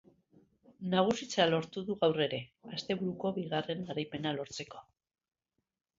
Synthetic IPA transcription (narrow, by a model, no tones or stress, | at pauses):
naɣ̞usit͡salo̞ɾt̪uðuɣawre̞ɾe̞ast̪e̞βuɾuko̞βiɣ̞are̞ŋɡaɾajpe̞nalo̞ɾt͡se̞ko̞